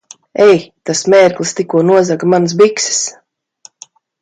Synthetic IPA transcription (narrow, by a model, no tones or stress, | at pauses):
ɛjt̪asmʲɛːɾklˠɨst̪ikuɔnuɔzaɡamans̬biksɪ̥s